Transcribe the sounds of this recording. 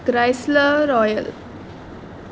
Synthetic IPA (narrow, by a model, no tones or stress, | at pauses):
ɡ̥ɾɛjsləɾɔjə̰l